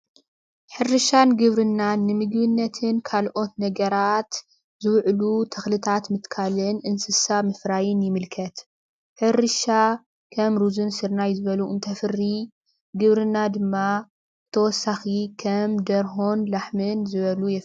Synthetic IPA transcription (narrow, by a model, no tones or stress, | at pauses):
ħɨrɨʃanɡɨβɾɨnːannːɨmɨɡbɨnːɐt̪ʰɨnkʰalʔo̞t̪nɐɡɐɾat̪ | zɨwʕlut̪ʰɐxlɨt̪ʰat̪mɨt̪kʰalɨnʔɨnsɨsamɨfɾajɪnjɪmɨlkʰɐt̪ | ħɨrɨʃa | kʰɐmɾuzunsɨɾnajzɨβɐluʔɨnt̪ʰɐfɨrːi | ɡɨβɾɨnːad̪ɨmːa | t̪ʰɐwɔsːaxikʰɐmd̪ɐɾɦonlaħmɨnzɨβɐlujɛf